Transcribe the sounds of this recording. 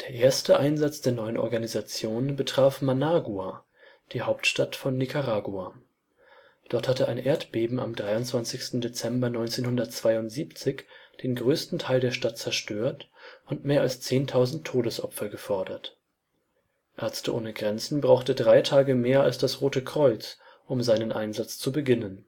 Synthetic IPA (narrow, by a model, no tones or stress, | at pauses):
d̥eːɐʔeːɐstəʔaɪnzat͡sd̥eːɐnɔʏənʔɔ̰ɐɡanizat͡sjoːnbətʁ̥aːfmanaːɡuaː | d̥iːhaʊp̚tʃtatfɔnːikaʁaːɡuaː | d̥ɔɐthatəaɪnʔeːɐtb̥eːbm̩a̰mdʁaɪʊntt͡sv̥ant͡sɪçstn̩det͡sɛmbɐnɔʏnt͡seːnhʊndɐtt͡sv̥aɪʊntz̥iːpt͡sɪçd̥eːnɡʁøːstn̩tʰaɪldeːɐʃtat̚t͡sɛɐʃtøːɐtʊntmeːɐʔalst͡seːntʰaʊzn̩tʰːoːɾəsʔɔpfɐɡəfɔɐdɐt | ʔɛɐt͡stəʔo̰ːnəɡʁɛnt͡sn̩bʁaʊxtədʁaɪtʰaːɡəmeːɐalsd̥asʁoːtəkʁ̥ɔʏt͡s | ʔʊmzaɪnənʔa̰ɪnzat͡st͡subəɡɪnən